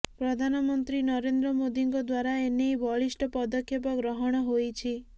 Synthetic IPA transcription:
pɾɔd̪ʱanɔmɔnt̪ɾinɔɾend̪ɾɔmod̪iŋkɔd̪waɾaenejbɔɭisʈɔpɔd̪ɔkʰːjep̬ɔɡɾɔɦɔɽ̃ɔɦojt͡ʃʰi

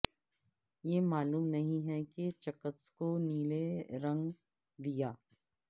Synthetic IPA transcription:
jemaːluːmnɐɦĩɦɛket͡ʃɐkət̪skoniːleɾɐ̃ŋɡ | d̪ijaː

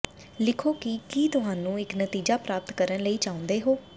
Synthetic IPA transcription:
lɪkʰoːkɪkiːt̪ʊɦaːnũːɪknət̪iːd͡ʒaːpɾaːp̚t̪kəɾənləiːt͡ʃaːʊ̃nd̪eːɦoː

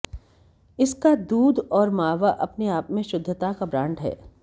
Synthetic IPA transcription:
ɪskad̪uːd̪ɔːɾmaːʋaʔɐpneaːpmẽʃʊd̪ʱːət̪akabɾãːɳɖɦɛ̰ː

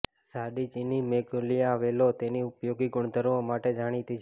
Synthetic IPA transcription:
saɖit͡ʃinimeɡolijaːʋelot̪eniʊpjoɡiɡʊɳd̪ʱəɾʋomaʈed͡ʒaɽ̃it̪it͡ʃʰ

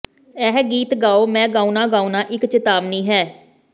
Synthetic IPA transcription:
ɛːɦɡiːt̪ɡaːoːmɛ̃ːɡaːunãːɡaːunãːʔɪkt͡ʃɪt̪aːbnĩːɦɛː

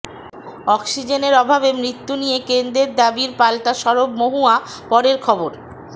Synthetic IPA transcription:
ɔkʃid͡ʑeneɾɔbʱabemɾit̪ːunijekend̪eɾd̪abiɾpalʈaʃɔɾobmoɦua | pɔɾeɾkʰɔboɾ

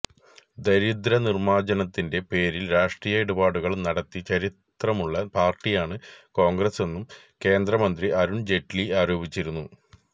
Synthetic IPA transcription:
d̪ɐɾid̪ɾɐnirmaːd͡ʑɐnɐt̪ːinde̞pe̞ːɾilɾaːʂʈrijɐeɽubaːɽuɣɐɭnɐɽɐt̪ːit͡ɕɐɾit̪rɐmuɭːɐpaːrʈːijaːɳɨko̞ːŋɡrɐse̞nːum | ke̞ːnd̪rɐmɐnd̪riʔɐɾuɳd͡ʑe̞ʈːliaːɾo̞ːbit͡ɕːiɾunːu

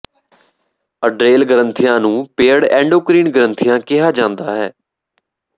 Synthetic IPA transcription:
əɖɾeːlɡəɾənt̪ʰɪjãːnũːpeːəɽɛ̃ːɳɖoːkɾiːnɡəɾənt̪ʰɪjãːkɪɦaːd͡ʒãːnd̪aːɦɛː

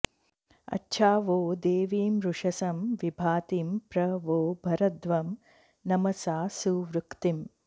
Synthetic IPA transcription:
ɐ̰tːʃʰaːʋoːd̪eːʋiːmɾuʂɐsɐmʋibʱaːt̪iːmpɾɐʋoːbʱɐɾɐd̪ʋɐm | nɐmɐsaːsuʋɾukt̪im

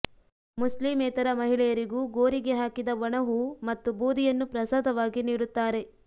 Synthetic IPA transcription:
muslimɛːt̪ɐɾɐmɐɦiɭɛjɐɾiɡuːɡo̞ːɾiɡeɦaːkid̪ɐʋɐɳɐɦumɐt̪ːubuːd̪ijɐnːupɾɐsaːd̪ɐʋaːɡiniːɽut̪ːaːɾe̞

